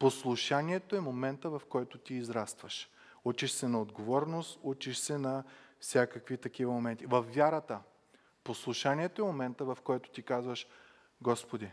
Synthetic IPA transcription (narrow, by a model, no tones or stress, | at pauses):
poslˠuʃaniɛt̪oɛmomɛnt̪əvɐfkɔjt̪ʊt̪iːzɾast̪vɐʃ | ut͡ʃiʃsɛnɐod̪ɡovɔɾnost̪ut͡ʃiʃsɛnɐfsʲakəkvit̪ɐk̟ivəmomɛnt̪ivɐfːʲjaɾɐt̪ə | poslˠuʃaniɛt̪oɛmomɛnt̪əvɐfkɔjt̪o̥t̪ikazvəʃ | ɡɔspod̪i